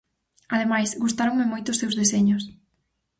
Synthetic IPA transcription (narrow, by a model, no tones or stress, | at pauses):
aðemajsɡust̪aɾoŋmɪmojt̪ʊːsewzðeseɲʊs